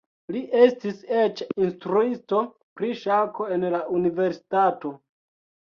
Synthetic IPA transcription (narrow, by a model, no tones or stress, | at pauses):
liʔe̞stise̞t͡ʃinstɾuisto̞ | pɾiʃako̞e̞nlaʔunive̞ɾsi̥tato̞